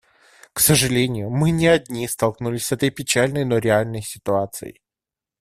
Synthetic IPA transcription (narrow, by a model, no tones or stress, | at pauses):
ksəʐɨlʲenʲɪjʊmɨnʲɪɐdʲnʲist̪ɐlˠknulʲɪsʲsɛt̪əjpʲɪt͡ɕalʲnəjnoɾʲɪalʲnəjsʲɪt̪ʊat̪sɨ̰ɪ̰